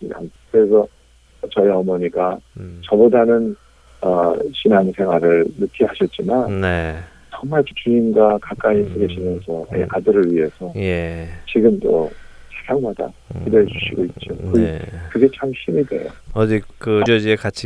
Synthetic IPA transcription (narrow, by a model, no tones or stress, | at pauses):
ia̰nkɯɾe̞sʰʌ | t͡ɕʌiʌmʌɲiɡat͡ɕʌbodanɯn | ʌɕʰinansʰe̞ŋɦwaɾɯɭnɯkʰiɦaɕʰʌt̚t͡ɕ͈imanne | t͡ɕʌŋmaɭt͡ɕikiimɡakak͈̚ais͈ʰɯɡeɕʰimjʌnsʰʌḛʔadɯɾɯɭɥiɦe̞sʰʌjet͡ɕiɡɯmt͈ot͡ɕasʰaŋmada̰kideɦed͡ʑuɕʰiɡoit̚t͡ɕ͈okɯkɯɡe̞t͡ɕʰamɕʰimidwe̞̰jo̰ʌd͡ʑikɯd͡ʑod͡ʑiekat͡ɕʰi